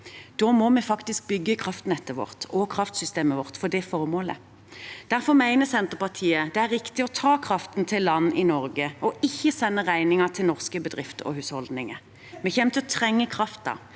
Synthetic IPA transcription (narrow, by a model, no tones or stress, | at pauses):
d̪̥ɔːmɔmɛfɑkt̪ɪsk̚bʏɡːəkʰʁɑft̪nɛt̪ːəʋɔ̰ʁt̪ʰɔkʰʁɑft̪sʏst̪eːməʋɔʁt̪fɔd̪ɛfɔʁmoːlə̰ | d̪̥æʁfɔʁmæɪnəsɛnt̪əʁpɑʁt̪ʰiːəd̪ɛæɾːɪkt̪ɪɔt̪ʰɑːkʰʁɑft̪nt̪ʰɪlːɑnːɪnɔɾɡəɔɪçːəsɛnːəʁæɪnɪŋɑt̪ʰɪlnɔʁskəbəd̪ʁɪft̪ɔ̰hʉːshɔld̪nɪŋə | mɛçɛmt̪ʰɪɔt̪ʰʁɛŋːəkʰʁɑft̪ɑ̰